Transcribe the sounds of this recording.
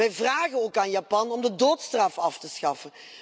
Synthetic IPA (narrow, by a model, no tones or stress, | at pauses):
ɛjvraːɣəoːkaːnjapɑnɔmdədoːtstrɑfɑftəsxɑfən